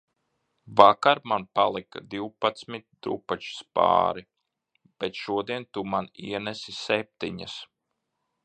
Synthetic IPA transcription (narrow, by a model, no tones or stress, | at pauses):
vakaɾmanpalˠikad̪iwpat̪smit̪̚d̪ɾṵpat͡ʃi̥spa̰ːɾi | b̥et̪ʃuɔd̪iɛnt̪umaniɛnɛsisɛp̚t̪iɲas